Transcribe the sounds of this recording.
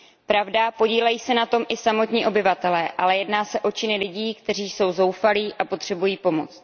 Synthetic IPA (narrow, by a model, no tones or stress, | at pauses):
pɾavdapo̞ɟiːlɛjiːsɛnat̪o̞mʔɪsamo̞t̪ɲiːʔo̞bɪvat̪ɛlɛːʔa̰lɛjɛdnaːsɛʔo̞t͡ʃɪnɪlɪɟiːkt̪ɛr̝iːso̞wzo̞wfaliːʔapo̞t̪r̝̥ɛbujiːpo̞mo̞t͡st̪̚